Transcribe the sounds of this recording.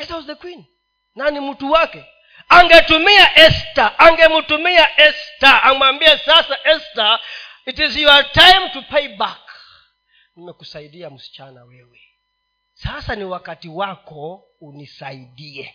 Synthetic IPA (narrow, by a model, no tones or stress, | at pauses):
azawzɛkwin | nanimutuwakɛ | aŋɡɛtumiaʔɛstaʔaŋɡɛmutumiaʔɛstaːmwambiɛsasaʔɛsta | itiziwatajmtupɛjbak | nimɛkusaiɗiam̩si̥t͡ʃanawɛwɛ | sasaniwakatiwakɔunisaiɗiɛ